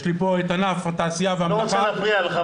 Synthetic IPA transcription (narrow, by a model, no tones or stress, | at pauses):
ʃlipoet̪anafataːsijaveamlaχfʁiala